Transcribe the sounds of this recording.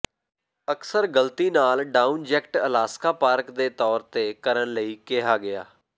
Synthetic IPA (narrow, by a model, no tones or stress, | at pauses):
əksəɾɡəlt̪iːnaːlɖaːũnd͡ʒɛkʈəlaːskaːpaːɾkd̪eːt̪ɔːɾt̪eːkəɾənləiːkɪɦaːɡɪa̰ː